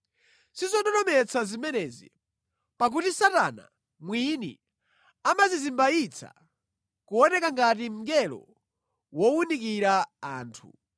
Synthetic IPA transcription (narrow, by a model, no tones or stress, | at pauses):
sizɔɗɔdɔmɛt͡sazimɛnɛzḭ | pak̬utisatana̰ | mwinḭ | amazizimbait͡sʰa̰ | kuɔnɛkaŋɡat̬im̩ɡɛlɔ̰ | wɔwunikiɾaaːntʰṵ